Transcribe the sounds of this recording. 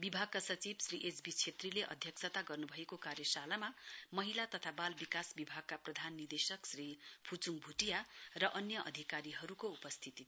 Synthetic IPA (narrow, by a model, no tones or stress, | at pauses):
bibʱaɡ̚kasʌt͡sibsriʔed͡zbit͡sʰet̪rileʔʌ̰d̪ʱjʌksʰʌt̪aɡʌrnubʱʌekokaɾjʌsalamamʌɦilat̪ʌt̪ʰabalbikasbibʱaɡ̚kaprʌd̪ʱanːid̪esʌksripʰut͡suŋbʱuʈijarʌʔʌnjʌʔʌd̪ʱikaɾiɦʌɾukoupʌst̪ʰit̪i